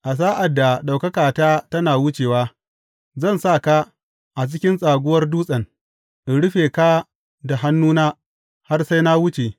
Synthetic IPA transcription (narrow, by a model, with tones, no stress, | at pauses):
ʔa˨s̬aː˦ʔa˨dːa˨ɗa˨wkɐ˦kaː˨taː˦tɐ˦naː˨wʊ˦t͡ʃeː˨waː˦ | zɐ˦˨nsa˦˨ka˦ | ʔa˨t͡ʃɪ˦kʲɪ˦nsʼaː˨ɡʷʊ˦wɐ˦rduː˦sʼɐ˨n | ʔi˨ɽʊ˦ɸeː˨ka˦ | da˨ɦa˦nːuː˦naː˦ | ha˦rsa˦jna˦wʊ˦t͡ʃe˨